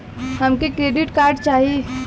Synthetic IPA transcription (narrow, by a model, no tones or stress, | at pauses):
həmkekɾeːɖiʈkaːɾɖt͡ʃaːɦie